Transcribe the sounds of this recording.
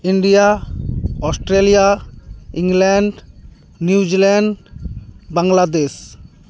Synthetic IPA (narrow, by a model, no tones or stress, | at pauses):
iɳɖija | ɔsʈɾelijaiŋlɛɳɖ | niud͡ʑilɛɳɖ | baŋlad̪es